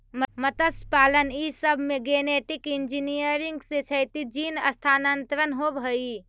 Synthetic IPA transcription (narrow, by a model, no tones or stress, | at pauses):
məmət̪əspalənisəbʱmeɡeneʈikind͡ʒinijəɾiŋɡsẽt͡ʃʰəjt̪id͡ʒinə̰st̪ʰanənt̪ɾənɦobʱɦəi